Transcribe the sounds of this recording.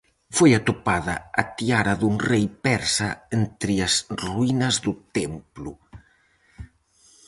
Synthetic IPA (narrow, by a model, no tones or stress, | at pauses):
fojat̪opaðɐːt̪iaɾɐðuŋrejpɛɾsɐent̪ɾiɐsruinɐzðut̪emplu